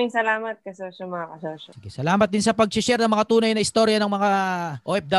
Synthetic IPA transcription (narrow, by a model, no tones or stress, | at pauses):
iŋsɐlaːmɐt̪̚kɐsoːʃɐmɐŋakɐsoːʃɐsɪɡɛsɐlaːmɐt̪̚d̪ɪnsɐpɐɡ̚t͡ʃɪʃɛɾnɐmɐŋat̪uːnɐjnɐʔɪst̪o̞ɾjɐnɐŋmɐŋaʔoːʔɛp̚d̪ɐ